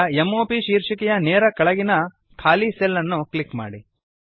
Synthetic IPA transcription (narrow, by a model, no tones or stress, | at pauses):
emːoːpiʃiːɾʂikɛjɐneːɾɐkɐɭɐɡinɐ | kʰaːliselːɐnːukɭikma̰ːɽi